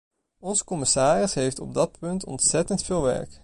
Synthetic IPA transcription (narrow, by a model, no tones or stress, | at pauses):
ɔnzə̥kɔmɪsaːrɪsɦejftɔ̰b̚dɑt̚pɵntʰɔ̰ntsɛtəntfeːlˠʋɛ̰ɹk